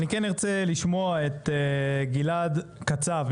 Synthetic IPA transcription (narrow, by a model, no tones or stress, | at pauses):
nikeniʁt͡seliʃmo̞aet̪ɡiladkat͡sav